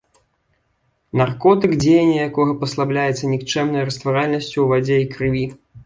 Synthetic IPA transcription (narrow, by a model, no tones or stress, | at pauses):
narkɔt̪ɨkd͡zʲejɛnʲːɐjakɔɣɐpɐslˠablʲajɛt̪sːɐnʲikt͡ʂɛmnɐjɾɐst̪vaɾalʲnɐsʲt͡sʲuvad͡zʲeikɾɨvʲi